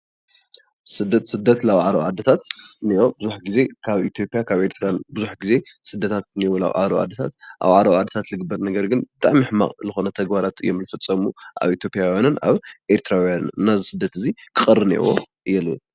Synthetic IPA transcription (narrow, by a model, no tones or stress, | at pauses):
sɨd̪ːɐt̪sɨd̪ːɐt̪laβʕaɾɐ̰wʕad̪ɐt̪ʰat̪niʔobɨzuħɡize̞kʰaβit̪ʰjo̞pʼjakʰaβʔeɾt̪ʰɨɾanbɨzuħɡize̞sɨd̪ːɐt̪ʰat̪̚niwula̰βʕa̰ɾɐ̰ʕa̰d̪ːɐt̪ʰa̰t̪ʔa̰βʕaɾɐwʕad̪ːɐt̪ʰat̪lɨɡɨbːɐɾnɐɡɐɾɡɨnbɨt̪ʼaʕmiħma̰χʼzɨxo̞nɐt̪ʰɐɡbaɾat̪ɨjːomlɨfɨt͡sʼːɐmuʔa̰βit̪ʰjo̞pʼjawjanɨna̰βʔeɾt̪ʰɨɾawijanːazisɨd̪ːɐt̪ɨzikʰɨχʼɐrːɨnḭʔwo̰ | jɛlu